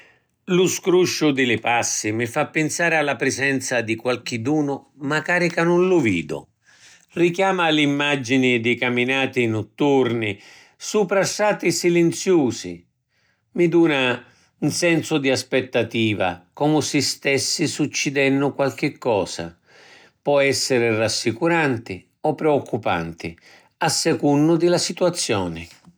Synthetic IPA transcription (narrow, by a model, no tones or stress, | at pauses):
lʊskɾuʃːʊd̪ɪlɪpasːɪmɪfapːɪnsaːɾɪalːapɾɪzɛnt̪sad̪ikwalk̟ɪd̪uːnʊmakaːɾikanʊnlʊvḭːd̪ʊ̰ | rikjaːmalimːad͡ʒinɪd̪ɪkamːinaːt̪ɪnʊt̪ːurnɪ | supɾasːaːt̪ɪsilɛnt̪sjuːsɪ̰ | mid̪uːna | unsɛnsʊd̪iaspɛt̪ːat̪iːva̰kɔmʊsɪst̪ɛsːisut͡ʃːɪd̪ɛnːʊkwalk̟ɪkːɔːsa̰ | pɔɛsːɪɾɪrasːikuɾant̪ɪ | ɔpːɾɛɔkːupa̰nt̪ɪ̰ | asːɛkunːʊd̪ɪlasit̪wat̪sːjɔːnɪ